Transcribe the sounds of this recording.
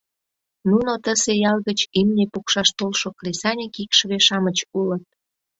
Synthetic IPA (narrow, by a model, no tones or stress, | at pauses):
nunot̪əsejɑlɣət͡ɕimnepukʃɑʃt̪olʃokresɑnʲikikʃβeʃɑmət͡ɕulət̪̚